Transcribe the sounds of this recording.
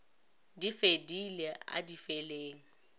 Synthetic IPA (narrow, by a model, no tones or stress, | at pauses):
difedilea̰difeleːŋ̩